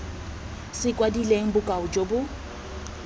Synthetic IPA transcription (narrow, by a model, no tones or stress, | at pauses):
sɪkʼwadileŋ̩bʊkʼaʊd͡ʒʼobʊ